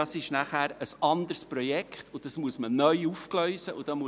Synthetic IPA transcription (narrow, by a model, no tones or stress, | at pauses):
ɑsɪʃnæχæːɾəsɑnd̪əɾspɾɔjɛkχt̪ʊd̥ɑsmuəsmənœʏufklœʏsəʔʊd̥ɑːmu